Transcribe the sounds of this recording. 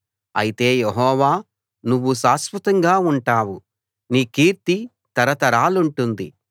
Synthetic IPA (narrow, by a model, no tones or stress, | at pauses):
ɐ̰jit̪e̞ːjeɦɔːʋaː | nuʋːuʃaːsʋɐt̪ɐŋɡaːuɳʈaːwu | niːkiːɾt̪i | t̪ɐɾɐt̪ɐɾaːluɳʈund̪ḭ